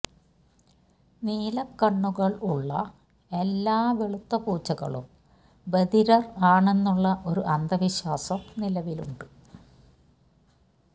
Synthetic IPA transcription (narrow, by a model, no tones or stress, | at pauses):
niːlɐkːɐɳːuɣɐɭuɭːɐ̰ | e̞lːaːʋeɭut̪ːɐpuːt͡ɕːɐɣɐ̰ɭṵm | bed̪iɾɐraːɳe̞nːuɭːɐʔo̞ɾuʔɐnd̪ɐʋiɕwaːsɐmnilɐʋiluɳɖɨ